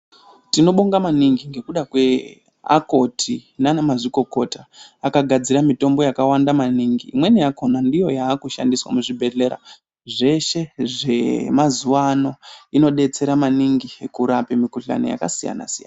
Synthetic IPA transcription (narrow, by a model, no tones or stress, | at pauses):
tino̞ɓoŋɡamaniŋɡiŋɡe̞kuɗakwe̞ | a̰ko̞tʰinanamaʐiko̞ko̞taːkaɡʱad͡ziɾamito̞mbo̞jakawandamaniŋɡiːmwe̞niako̞nandijo̞jaːkuʃa̰ndiswa̰muʐibʱe̞ɮe̞ɾa̰ | ʐe̞ʃe̞ʐe̞mazuano̞ino̞ɗe̞t͡se̞ɾamaniŋɡiekuɾapemikuɬa̰nija̰ka̰sija̰na̰sijana